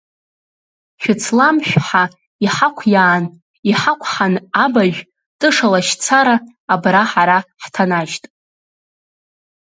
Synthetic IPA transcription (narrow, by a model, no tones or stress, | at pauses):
ʃᶣʊt͡sʰlamʃᶣʷħa | iħakʷʰjaːn | iħakʷʰħanabaʒᶣ | tʼɨʂalaʃt͡sʰaɾaː | braħaɾaħtʰanaʒtʼ